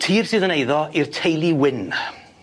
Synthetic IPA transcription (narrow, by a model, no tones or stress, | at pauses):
tʰiːrsɨːðənejðɔir̥tʰejlˠiwɪn